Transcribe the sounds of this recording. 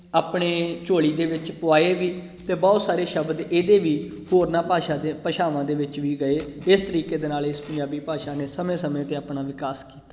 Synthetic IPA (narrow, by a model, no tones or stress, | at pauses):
aːpɳeːt͡ʃoːɭiːd̪eːʋɪt͡ʃpʊaːeːʋiː | t̪eːbɔːt̪saːɾeːʃəbd̪eːd̪eːʋiːhoːɾnaːpaːʃaːd̪epəʃaːʋãːd̪eːʋɪt͡ʃʋiːɡəeːɪst̪əɾiːkeːd̪eːnaːlɪspəɲd͡ʒaːbiːpaːʃaːneːsəmẽːsəmẽːt̪eːaːpnaːʋɪkaːski̥ːt̪aː